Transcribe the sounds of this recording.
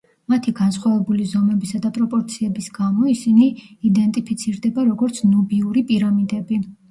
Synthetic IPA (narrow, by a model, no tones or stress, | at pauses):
mat̪ʰiɡansχwavɛbulizɔmɛbisad̪apʼɾɔpʼɔɾt̪sʰiɛbisɡamɔisiniːd̪ɛnt̪ʼipʰit̪sʰiɾd̪ɛbaɾɔɡɔɾt̪sʰnɔbiuɾipʼiɾamid̪ɛbi